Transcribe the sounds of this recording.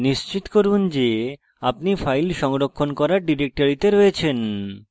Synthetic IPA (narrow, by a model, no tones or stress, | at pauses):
niʃt͡ɕit̪koɾund͡ʑe | ap̚nifʰajlʃɔŋɾokʰːonkɔɾaɾɖiɾek̚ʈoɾit̪eɾojet͡ɕʰen